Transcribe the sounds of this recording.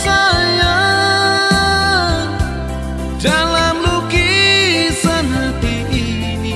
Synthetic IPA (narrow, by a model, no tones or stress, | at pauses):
saja | dalanluki | sanɦat̪i | i | ni